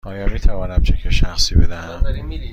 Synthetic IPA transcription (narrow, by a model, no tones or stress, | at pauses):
ʔɒːjɒːmiːt̪ʰævɒːnæmt͡ʃʰekʰeʃæxsiːbed̪æhæm